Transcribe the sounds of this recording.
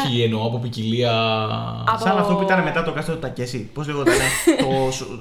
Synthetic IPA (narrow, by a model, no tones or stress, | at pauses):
ieno̞ɐpo̞p̬iciliɐ | sɐnɐft̪o̞puit̪ɐneme̞t̪ɐt̪okɐst̪ot̪ot̪ɐcesipozleɣot̪inet̪os